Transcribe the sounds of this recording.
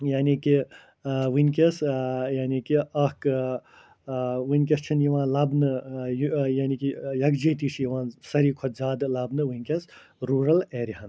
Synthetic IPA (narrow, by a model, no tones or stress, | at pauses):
jaːniki | ʋɨnʲkʲɐsjaːnikiɐhk | ʋɨnʲk̬ʲɐst͡ʃʰinjiʋãːlɐbnɨjjaːnikijɐkd͡ʒiːt̪it͡ʃʰjiʋãːsɐɾiːkʰɔt̪zaːd̪lɐbnɨʋɨnʲkʲɐs | ɾuːɾɐleːɾiɦɐn